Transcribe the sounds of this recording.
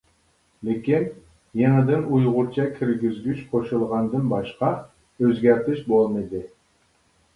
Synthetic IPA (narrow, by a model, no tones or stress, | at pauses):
lɪkʲin | jeŋɨd̪ɪnujʁʊɾt͡ʃʰɑkʲʰiɾɡʲizɡʲyʃqʰoʃulˠʁɑnd̪ɨnbɑʃqɑ | øzɡʲæɾt̪ʰɪʃbolˠmɨd̪ɪ